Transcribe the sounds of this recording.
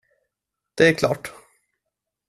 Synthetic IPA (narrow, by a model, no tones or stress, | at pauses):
d̪̥ɛækʰlɑ̰ːʈ